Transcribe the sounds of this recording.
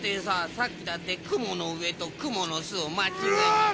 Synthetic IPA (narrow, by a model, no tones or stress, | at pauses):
t̪ːesasakʲːid̪at̪ːekɯ̟mo̞no̞ɯ̟e̞t̪o̞kɯ̟mono̞sɨomakʲie